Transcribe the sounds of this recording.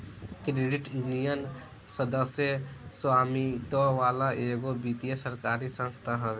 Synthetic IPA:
kɾeːɖɪʈjunijən | səd̪əsjəswaːmit̪ɔʋaːlaʔeːɡobit̪ijesəɾkaːɾisə̃nst̪ʰaɦɛʋe

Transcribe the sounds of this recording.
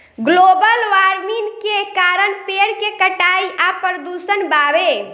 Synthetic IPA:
ɡlobəlʋaɾminkekaɾənpeɽkekəʈaiʔapɾəd̪usənbabe

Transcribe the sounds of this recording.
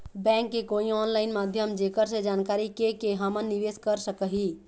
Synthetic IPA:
bɛ̃ŋkːekoiɔnlaɪnmad̪ʱjəmd͡ʒekəɾsẽd͡ʒankaɾikekeɦəmənːiʋeskəɾsəkəɦi

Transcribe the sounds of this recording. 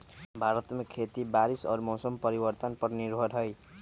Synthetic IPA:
bʱaɾʌt̪mekʰet̪ibaɾisʌ̰ɾmowsʌmpʌɾibʌrt̪ʌnpʌrniɾbʱʌɾɦʌj

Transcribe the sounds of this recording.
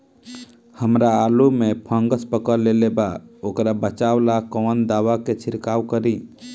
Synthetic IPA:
həmɾaːlumepʰə̃ŋɡəspəkəɾlelebaokɾabət͡ʃawlakɔːnd̪aːwaket͡ʃʰɪɾkaːwkəɾi

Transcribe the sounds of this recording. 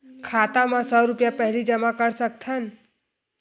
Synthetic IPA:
kʰat̪amãsɔɾʊpjapəɦlid͡ʒəmãkəɾsək̚t̪ʰən

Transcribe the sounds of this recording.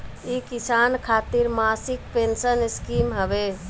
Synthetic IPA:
ikisankʰat̪iɾmasik̚pensəniskimɦəbɛ

